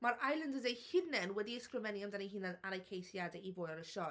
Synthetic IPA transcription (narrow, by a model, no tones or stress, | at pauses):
maɾajlˠəndədejhɪnɛnwɛdiskrəmɛnjamdaniɦɪnɛnaɾajkʰejθjadɛivoːjaɾəʃɔ